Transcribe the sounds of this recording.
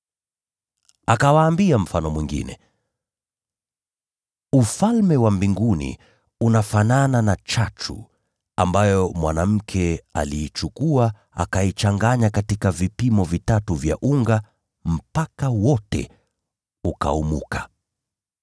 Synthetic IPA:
akawaːmbiam̩fanɔmwiŋɡḭnɛ̰ | ufalmɛwambiŋɡunḭ | unafanananat͡ʃatʰṵ | a̰mbajɔmwanam̩kʰɛa̰liːt͡ʃukua | a̰kait͡ʃaŋɡaɲakatikavipimɔvitatuvja̰ʔuŋɡa | m̩pakawɔtɛ̰ | uka̰umukḁ

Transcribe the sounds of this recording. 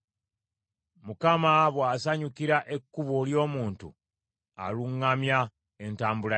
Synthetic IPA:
mukamaβwaːsaɲukiɾaʔe̞kːuβoljo̞ːmuːntṵ | a̰luŋːamja | e̞ntaːmbula

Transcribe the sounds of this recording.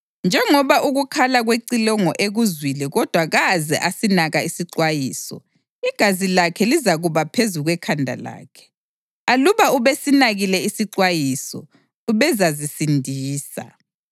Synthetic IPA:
nd͡ʒʱɛŋɔβaʔuɣukʰalaɣweǀilɔŋɔʔeɣuzwilɛɣɔd̥ʱwaɣazɛ̰ʔasinaɣaisiǀwajiːsɔ̰ | iɡ̥ʱazilakʰɛlizaɣuβapʰezuɣwɛkʰandʱa̰la̰ːkʰɛ̥ | aluβauβesinaɣilɛisiǀwajisɔ̰ | uβɛzazisindʱiːsa̰

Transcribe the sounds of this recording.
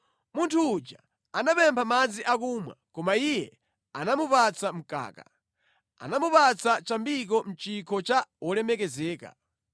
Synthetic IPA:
muntʰuːd͡ʒa | anapɛmpʰamad͡ziʔak̬uːmwa̰kɔmaijɛ | anamupat͡sam̩ka̰ːka̰ | a̰namupat͡sʰat͡ʃambik̬ɔm̩t͡ʃikʰɔt͡ʃaɔlɛmɛkɛzɛːka̰

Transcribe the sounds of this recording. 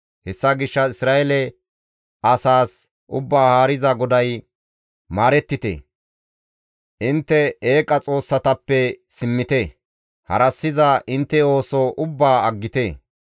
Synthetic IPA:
hɛsːɐɡɪʃːɐɪsɾaːʔɛlɛ | ʔɐsaːs | ʔʊbːaːhaːɾɪzɐɡɔd̪ɐj | maːɾɛt̪ːɪt̪ḛ | ʔɪnt̪ːɛeːkʼːɐt͡sʼo̞ːsːɐt̪ɐpːɛsɪmːɪt̪ɛ | hɐ̰ɾɐsːɪzɐʔɪnt̪ːɛo̞ːsɔʔʊbːaːɐɡːɪt̪e

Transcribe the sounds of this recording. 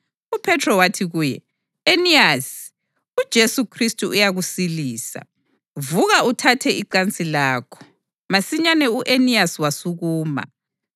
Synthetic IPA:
upʰɛtʰrɔwatʰiɣuːjɛ̰ | eniasi̥ | ud̥ʒ̥ʱesukʰristʼuʔujaɣusiliːsa̰ | vuɣautʰatʰɛʔiǃant͡sʼilaːkʰɔ̥ | masiɲanɛuʔeniasiwasuɣuːma̰

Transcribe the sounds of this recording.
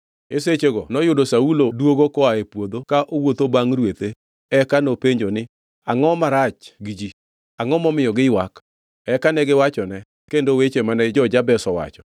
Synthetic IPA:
eset͡ʃeɡɔnɔjʊdosaulodwoɡokɔaepwod̪okaʔowot̪obaŋɾwet̪e | ɛkanopeɲd͡ʒonɪ | aŋɔmaɾat͡ʃɡid͡ʒi | aŋɔmɔmɪjɔɡɪwak | ɛkanɛɡɪwat͡ʃɔnɛ | kendowet͡ʃemanɛd͡ʒɔd͡ʒabɛsɔwa̰t͡ʃɔ̥

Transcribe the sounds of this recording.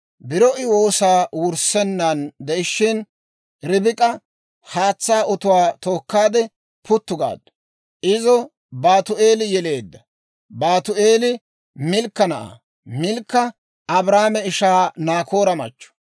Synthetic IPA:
bɪɾɔʔɪwo̞ːsaːwʊɾsɛnːɐnd̪ɛʔɪʃːɪn | ɾɪbɪkʼɐ | haːt͡sːaːʔɔt̪ʊwaːt̪o̞ːkːaːd̪ɛ | pʰʊt̪ːʊɡa̰ːd̪ːɔ̥ | ʔɪzɔ | baːt̪ʊʔe̞ːlɪjɛle̞ːd̪ːɐ | baːt̪ʊʔe̞ːlɪ | mɪlkːɐnɐʔa̰ː | mɪlkːɐ | ɐbɾaːmɛɪʃaːnaːko̞ːɾɐmɐ̰t͡ʃːɔ̥

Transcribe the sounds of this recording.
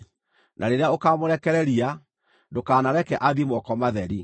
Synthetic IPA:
nʔaɾeɾeaokamoɾɛkɛɾɛɾia | ndokaːnaɾɛkɛʔaðimwɔkɔmaðɛɾi

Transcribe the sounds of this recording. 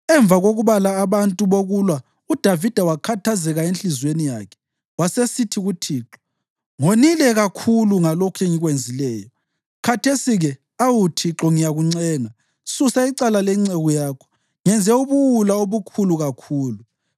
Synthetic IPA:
ɛɱb̪vʱaɣoɣuβalaːβantʼuβoɣulwa | ud̥ʱavid̥ʱawakʰatʰazɛɣaenɬizwenija̰ːkʰɛ̥ | wasesitʰiɣutʰiːǁɔ̥ | ŋonilɛɣakʰuluŋalɔkʰɛŋiɣwend͡zʱilɛːjɔ | kʰatʰesiɣɛ | awutʰiǁɔŋijaɣuŋ͡ǀɛːŋa | susaiǀalalɛŋ͡ǀɛɣɔjaːkʰɔ̥ | ŋɛnd͡zʱɛuβuwulaoβukʰuluɣakʰuːlu

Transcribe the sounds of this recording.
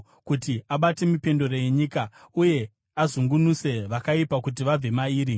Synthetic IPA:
kutiaɓate̞mipe̞ndo̞rojeɲikauje̞ | azuŋɡunuse̞ʋakaipakut̬iʋab͡ve̞maiːɾi

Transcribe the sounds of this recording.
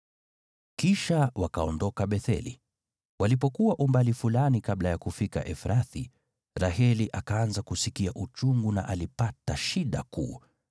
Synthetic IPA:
kiʃawakaɔndɔkaɓɛθɛ̰lḭ | walip̬ɔkuwaʔumbalifulanikaɓlajakufika̰ʔɛfɾaθi | ɾahɛliʔakaanzakusikiaʔut͡ʃuŋɡuna̰ʔalipataʃiɗa̰kṵː

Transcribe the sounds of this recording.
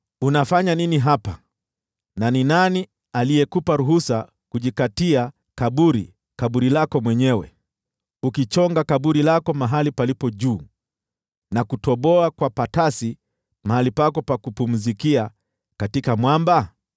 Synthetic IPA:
unafaɲaniniɦapa | naninani | aliɛkupaɾuɦusa | kuʄikatia | kaɓuɾḭ | kaɓuɾilakɔmwɛɲɛwɛ̰ | ukit͡ʃɔŋɡakaɓuɾilakɔmaɦalipalipɔʄuː | nakutɔɓɔakwapatasi | maɦalipakɔpakupum̩zikia | katikamwamba

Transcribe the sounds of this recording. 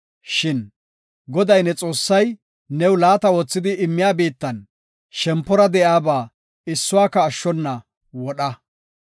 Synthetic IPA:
ʃɪn | ɡɔd̪ɐjnɛt͡sʼo̞ːsːɐj | nɛwlaːt̪ɐwoːt͡sːɪd̪ɪʔɪmːɪjaːbiːt̪ːɐn | ʃɛmpːɔɾɐd̪ɛjaːbaː | ɪsːʊwaːkɐːʃːɔnːɐ | wɔɗɐ

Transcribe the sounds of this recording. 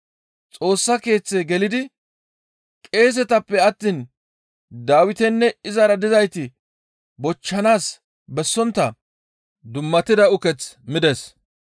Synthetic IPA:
t͡sʼo̞ːsːɐke̞ːt͡sːeɡɛlɪd̪ɪ | kʼe̞ːs̬ɛt̪ɐpːɛɐt̪ːiːn | d̪aːwɪt̪ɛnːɛɪzɐɾɐd̪ɪzɐjt̪ɪ | bɔt͡ʃːɐnaːs | bɛsːɔnt̪ːɐ | d̪ʊmːɐt̪ːɪd̪ɐʊkɛt͡smɪd̪ɛs

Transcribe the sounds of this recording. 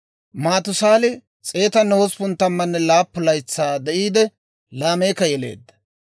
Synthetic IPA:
maːt̪ʊsaːlɪ | t͡sʼe̞ːt̪ɐnowɔspʊnt̪ːɐmːɐnːɛlaːpːʊlɐjt͡sːaːd̪ɛʔiːd̪ɛ | laːme̞ːkːɐjɛle̞̰ːd̪ːɐ̥

